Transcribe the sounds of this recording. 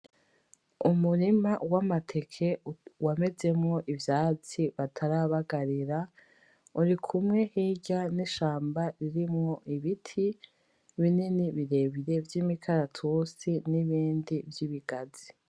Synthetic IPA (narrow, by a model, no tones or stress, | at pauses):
umuɾimawamatʰe̞kʰe̞wame̞ze̞mŋo̞ʔivjaːt͡siβatʰaɾaβaɡaɾiɾa | uɾikʰumŋe̞hiːɟaniʃaːmbaɾiɾimŋo̞ʔiβitʰi | βininiβiɾe̞βiɾe̞vjiːmikʰaɾatʰusiniβiːndivjiβiɡazi